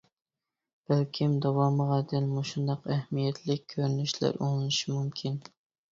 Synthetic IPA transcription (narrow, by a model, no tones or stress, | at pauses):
b̥ælkʲʰimd̪ɑwɑmɨʁɑd̪ɪlmuʃund̪ɑqæhmijɛt̪ʰlɪk̚ʲʰːøɾnyʃlæ̰ɾo̰ŋlˠɨnɨʃimumkʲʰin